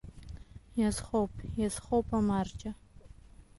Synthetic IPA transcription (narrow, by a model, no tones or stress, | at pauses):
jɛzχowpʰjɛzχowpʰʼɐmaːrt͡ʃʼɐ